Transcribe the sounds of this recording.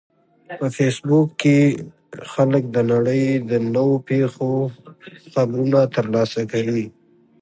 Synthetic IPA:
pəfesbukːe | xalək̚d̪ənaɽəjd̪ənəwopexo | xabɾunat̪əɾlɑsakawi

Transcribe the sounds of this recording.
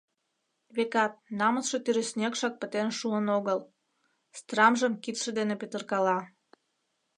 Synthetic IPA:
βekɑt̪̚nɑmət͡sʃet̪yɾesnʲekʃɑk̚pət̪enʃuənoɣəl | st̪rɑmʒəmkit̪ʃĕd̪enepøt̪ərkɑlɑ

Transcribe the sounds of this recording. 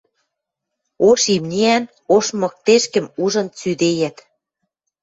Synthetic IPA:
oʃimnʲiæn | oʃmɤ̆k̚t̪eʃkə̆muʒɤ̆nt͡syd̪ejæt̪

